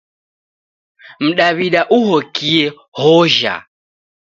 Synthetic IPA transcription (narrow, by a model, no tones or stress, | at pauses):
m̩ɗaβiɗaʔuɦɔkiɛ | hɔʒa̰